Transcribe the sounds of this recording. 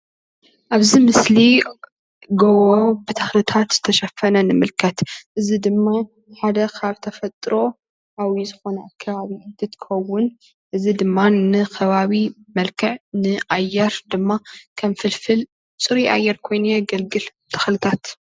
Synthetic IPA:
ʔaβzimɨsli | ɡowobɨt̪ʰɐxlɨt̪ʰat̪zɨt̪ʰɐʃɐfɐnɐnɨmɨlkʰɐt̪ʔɨzid̪ɨmːa | ħad̪ɐkʰaβt̪ʰɐfɐt̪ʼɾo̞ | ʔawizɨxo̞nɐakʰːɐβaβid̪ɨt̪kʰɐwːʊn | ʔɨzid̪ɨmːanɨkʰɐβaβi | mɐlkʰɨʕnɨʔajːɛɾd̪ɨmːakʰɐmfɨlfɨl | sʼɨɾiʔa̰jːɛɾkʰo̞jnujɛɡɐlɡɨlbt̪ʰɐ̥xlɨt̪ʰat̪

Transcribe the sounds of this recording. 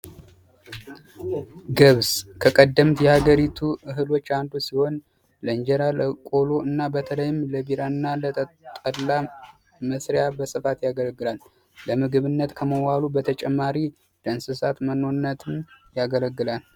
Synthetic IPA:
ɡɨβskʰəkʼəd̪ːəmt̪jɛhaɡəɾit̪ʰuʔɨɦɨlo̞t͡ʃːand̪usiho̞n | ləɨnd͡ʒɛɾaləkʼo̞loɨnːabət̪ʰələjɪmləbiɾaɨnːalət̪ʼət̪ʼədla | məsɾejabəsɨfat̪jaɡələɡːɨlalː | əmɨɡɨβɨnːət̪kʰəməwalubət̪ʰət͡ʃʼɛmːaɾi | d̪ənsɨsat̪məno̞nːət̪ʰɨnjaɡələɡːɨlal

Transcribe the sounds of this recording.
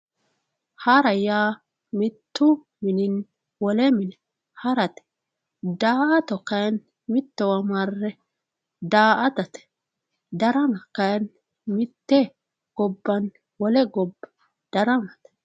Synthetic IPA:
hɐɾɐjaː | mɪt̪ːʊ | mɪnɪn | wɔlɛmɪnɛ | hɐɾɐt̪ɛ̥ | d̪aːʔɐt̪ɔkɐjn | mɪt̪ːɛwɐmɐrːɛ | d̪aːʔɐt̪ɐt̪ɛ̥ | d̪ɐɾɐnɐkɐjn | mɪt̪ːɛ | ɡ̥ɔbːɐn | wɔlɛɡɔbː | d̪̥ɐɾɐnɐt̪

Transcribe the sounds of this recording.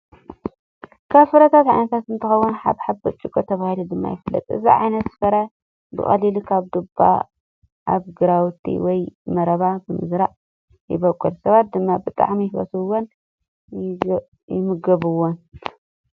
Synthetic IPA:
kʰaβsɨɾɐt̪ʰat̪ʕa̰jnɐt̪ʰat̪ɨnt̪ʰɨxɐwːunħa̰βħabbɐt͡ʃʼːukʼot̪ʰɐβahilud̪ɨmːa̰jɪfɨlːɐ̰t̪ʼɨ̰zḭʕa̰jnɐt̪fɐɾa | bɨ̰xʼɐ̰lilikʰaβd̪ɨba̰ | ʔaβɡɨɾawt̪ʰːḭwɔjmɐɾɐβabɨmɨ̰zɾaʔ | jɪbɐkʼːɨlsɐβat̪̚d̪ɨmːabɨt̪ʼa̰ʕmijwɐ̰sɨwːon | jɪmɨɡɐβɨwːon

